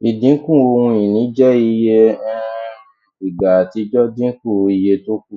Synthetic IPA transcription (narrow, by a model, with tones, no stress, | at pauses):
i˨dĩ˨˦kũ˦˨o˧ũ˧ĩ˨nĩ˨˦d͡ʒɛ˦i˧je˧˦ | i˨ɡa˨ti˨˧˦d͡ʒɔ˦dĩ˦kũ˦˨˧i˧je˧to˦ku˦˨